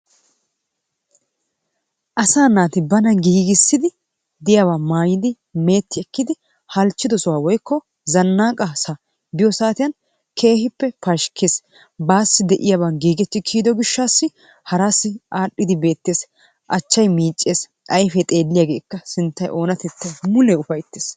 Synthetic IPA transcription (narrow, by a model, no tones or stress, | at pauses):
ʔɐsaːnaːt̪ɪbɐnɐɡiːɡɪsːɪd̪ɪ | d̪ɪjaːβaːmaːjɪd̪ɪ | me̞ːt̪ʰːɪɛkːɪd̪ɪ | hɐlt͡ʃːɪd̪ɔsɔwaːwɔjkːɔ | zɐnːaːkʼasa | bɪjɔsaːt̪ɪjɐn | kʰe̞ːhɪpːɛfɐʃkʰeːs | baːsːɪd̪ɛʔɪjaːbɐnɡiːɡɛt̪ːɪkʰiːd̪ɔɡɪʃːaːsːɪ | hɐɾaːsːɪʔaːɗːɪd̪ɪbe̞ːt̪ːeːs | ʔɐt͡ʃːɐjmiːt͡ʃʼːeːs | ʔɐjfɛt̪ʼe̞ːlːɪjaɡe̞ːkːɐsɪnt̪ːɐjʔo̞ːnɐt̪ɛt̪ːɐjmʊlɛʊfɐjt̪ːeːs